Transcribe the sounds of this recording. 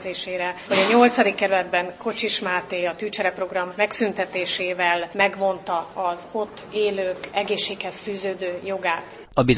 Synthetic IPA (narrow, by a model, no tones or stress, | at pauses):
zeːʃeːɾɛʋoɟɒɲo̞lt̪sɒd̪ikːɛɾylɛd̪bɛŋko̞t͡ʃiʃmaːt̪eːɒt̪yːt͡ʃɛɾɛpro̞ɡrɒmːɛksynt̪ɛt̪eːʃeːvɛlmɛɡvo̞nt̪ɒɒzo̞t̪ːeːløːkɛɡeːʃːeːkhɛsfyːzøːd̪øːjo̞ɡaːt̪ | ɒbiz